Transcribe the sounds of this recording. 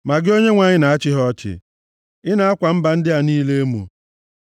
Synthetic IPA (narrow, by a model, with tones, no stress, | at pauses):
ma˨ɡɪ˦o˦ɲe˦ŋʷa˨ɲɪ˦na˨a˦t͡ʃɪ˦ɦɔ˦t͡ʃɪ̰˨ | ɪ˦na˨a˦kʷa˨m̩˦ba˨n̩˦dɪ˦a˨niː˦le˦e˦mṵ˨